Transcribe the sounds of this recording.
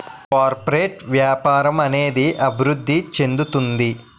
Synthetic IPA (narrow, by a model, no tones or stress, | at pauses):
kaːɾpɐɾeːʈʋjaːpaːɾɐmɐne̞ːd̪iʔɐbʱiɾud̪ʱːit͡ʃe̞nd̪ut̪und̪i